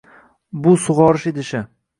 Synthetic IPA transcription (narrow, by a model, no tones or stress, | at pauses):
bʊsʊʁɒɾɪʃed̪ɪʃɪ